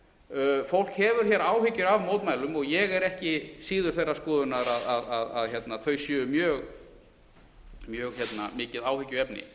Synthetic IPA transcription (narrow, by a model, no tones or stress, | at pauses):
fowl̥khɛvʏɾ̥çjɛːɾaːwhɪcːʏɾavmoːwt̪majlʏmɔɣjɛɣɛɾɛhcɪsiːðʏɾ̥θejrːaskɔːðʏnaɾaðaðaðaðçɛt̪naθœɥsjʏːʏmjœːɣ | mjœːɣçɛt̪na̰mɪːcɪðaːwhɪcːʏɛpnɪ̰